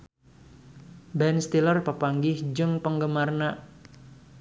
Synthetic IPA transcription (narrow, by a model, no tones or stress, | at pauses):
bɛnst̪ilərpəpaŋɡɪhd͡ʒɨŋpəŋɡəmarna